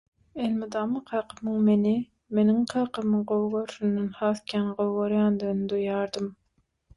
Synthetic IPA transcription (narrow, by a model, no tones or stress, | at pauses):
elmid̪ɑːmɯqʰɑːqʰɯmɯŋmeni | me̞niŋqʰɑːqɯmɯɴɢowɣoɾʃynd̪enhɑːθkʰʲænɢowɣoɾjɑːnd̪ɯɣnɨd̪ujɑːɾd̪ɯm